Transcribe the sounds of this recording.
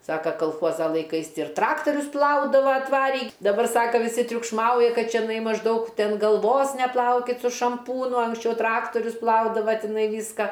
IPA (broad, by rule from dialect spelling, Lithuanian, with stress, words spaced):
ˈsɑːkɐ kɐlˠˈxuɔzɐ lˠɐɪˈkɐɪs ɪr ˈtrɑːktoːrʲʊs ˈplˠɐʊdɐʋɐ ɐtˈʋɑːrʲiː dɐˈbɐr ˈsɑːkɐ ʋʲɪˈsʲɪ tʲrʲʊkʃˈmɐʊjɛ ˈkɐt t͡ʃʲɛˈnɐɪ mɐʒˈdɐʊk ˈtʲɛn ɡɐlˠˈʋoːs nʲɛˈplˠɐʊkʲɪt sʊ ʃɐmˈpuːnʊ ɐŋksʲˈt͡ʃʲɛʊ ˈtrɑːktoːrʲʊs ˈplˠɐʊdɐʋɐ tʲɪˈnɐɪ ˈʋʲiːskɐ